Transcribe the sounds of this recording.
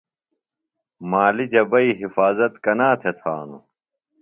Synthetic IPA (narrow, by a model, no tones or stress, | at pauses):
maːlid͡ʑɐbɐiɦifaːzɐt̪kɐnaːt̪ʰet̪ʰaːnṵ